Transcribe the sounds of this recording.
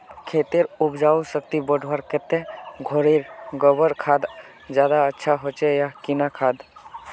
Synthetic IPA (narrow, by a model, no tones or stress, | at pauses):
kʰet̪eɾubd͡ʒausəkt̪ibəɖʱwaɾket̪ẽɡʱoɾeɾɡəbəɾkʰad̪ | d͡ʒjad̪aətːʃʰaɦot͡ʃejakinakʰad̪